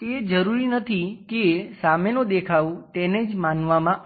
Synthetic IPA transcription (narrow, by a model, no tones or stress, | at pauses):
t̪ed͡ʒəɾuɾinət̪ʰikesamenõd̪ekʰaʋũt̪ened͡ʒmanʋamãʔ